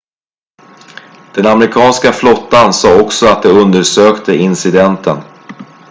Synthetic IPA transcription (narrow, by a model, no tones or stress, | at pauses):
d̪̥ɛnamɾɪkʰɑːnskaflɔt̪ːansɑːɔksɔat̪̚d̪ɛɵnd̪əɾʂøːkt̪ʰəɪnsɪd̪ɛnt̪ʰən